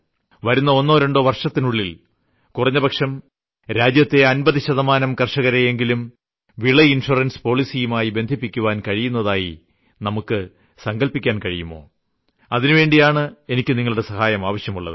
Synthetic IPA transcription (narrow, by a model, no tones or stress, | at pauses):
ʋɐɾunːɐo̞nːo̞ːɾeɳɖoːʋɐrʂɐt̪ːinuɭːil | kurɐɲːɐbʱɐkʂɐm | ɾaːd͡ʑjɐt̪ːe̞ɐnbɐðiɕɐðɐmaːnɐmkɐrʂɐɣɐɾejeŋɡilum | ʋiɭɐinʂurɐnspo̞ːɭisijumaːjibe̞nd̪ʱipːikʲːuʋaːnkɐɻijunːɐðaːji | nɐmukːɨ | sɐŋɡɐlpikʲːaːnkɐɻijumːo̞̰ː | ɐðinɨʋe̞ːɳɖijaːɳɨe̞nikʲːɨniŋːɐɭuɽe̞sɐhaːjɐmaːʋɐɕjɐmuɭːɐ̰ðɨ